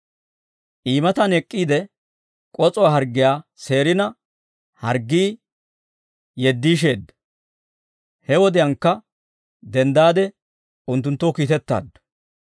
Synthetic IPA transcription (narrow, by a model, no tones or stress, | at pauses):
ʔiːmɐt̪ɐnɛkʼːiːd̪ɛ | kʼɔt͡sʼɔwaːɦɐɾɡːɪjaːse̞ːɾɪnɐ | hɐɾɡːiː | jɛd̪ːiːʃ̬e̞ːd̪ːɐ̥ | hɛwɔd̪ɪjɐŋkːɐ | d̪ɛnd̪aːd̪ɛ | ʊnt̪ːʊnt̪ːokiːt̪ɛt̪ːa̰ːd̪ːɔ̥